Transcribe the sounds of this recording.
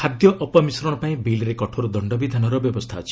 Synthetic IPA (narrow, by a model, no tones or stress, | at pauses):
ad̪jɔʔɔpɔmisɾɔɽ̃ɔpaĩbilɾekɔʈʰoɾud̪ɔɳɖɔbid̪ʱanɔɾɔbjɔbɔst̪ʰat͡ʃʰi̥